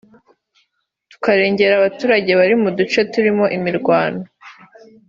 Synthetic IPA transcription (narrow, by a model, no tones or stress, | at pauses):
tu̥kaɾe̞ːɲɟe̞ɾaβatuːɾaɟe̞βaɾimudut͡ʃo̞tuɾimo̞ʔimiɾɡwaːno